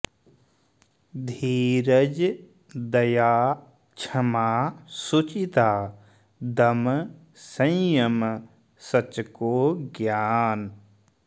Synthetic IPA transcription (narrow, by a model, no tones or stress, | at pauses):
d̪ʱiːɾəd͡ʒ | d̪ɐjaː | t͡ʃʰɐmaːsut͡ʃit̪aː | d̪ɐm | sə̃jəm | sɐt͡ʃkoːɡjaːn